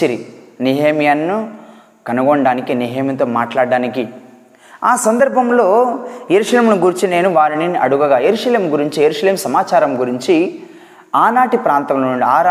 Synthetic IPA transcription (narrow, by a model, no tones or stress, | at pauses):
iɾiniɦeːmijɐnːu | kɐnuɡoɳɖaːnikiniɦeːmint̪oːmaːʈlaːɖːaːniki | aːsɐnd̪ɐɾbʱɐmlo̞ːjeɾuʂɐleːmnuɡuɾit͡ʃine̞ːnuʋaːɾiniɐɽuɡɐɡaːjeɾuːʂɐle̞ːmɡuɾiɲt͡ʃijeɾuːʂɐle̞ːmsɐmaːt͡ʃaːɾɐmɡuɾiɲt͡ʃi | aːnaːʈipɾaːnt̪ɐmlouɳɖiaː